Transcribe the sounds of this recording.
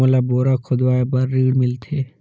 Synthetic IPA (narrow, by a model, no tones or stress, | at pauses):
əlaboːɾakʰʊd̪ʋaːebaɾːiːɽmɪlt̪ʰeː